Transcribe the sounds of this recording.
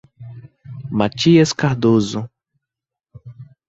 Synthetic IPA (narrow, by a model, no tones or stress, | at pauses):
mat͡ʃiɐskaɾd̪ozʊ